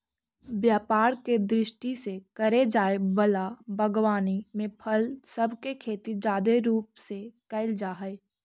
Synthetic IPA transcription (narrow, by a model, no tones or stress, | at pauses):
bjaːpaːɾked̪ɾɪʃʈisekɐɾed͡ʒaːebɐlabʱəɡwaːnimẽpʰəlsɐbkekʰeːt̪id͡ʒaːd̪eɾuːpsekɐɪld͡ʒaːɦɛe